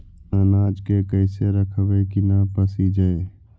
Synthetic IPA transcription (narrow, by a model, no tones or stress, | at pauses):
ənaːd͡ʒkekəɪseɾəkʰəʋekinapəsid͡ʒae